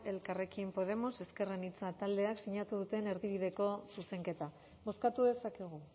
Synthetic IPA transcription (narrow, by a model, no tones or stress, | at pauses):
e̞lkare̞kimpo̞ð̞e̞mo̞se̞ske̞renit͡sat̪ald̪e̞aksiɲat̪uð̞ut̪e̞ne̞ɾðiβ̞iðe̞ko̞suse̞ŋke̞t̪a | bo̞skat̪uðe̞sakeɣ̞u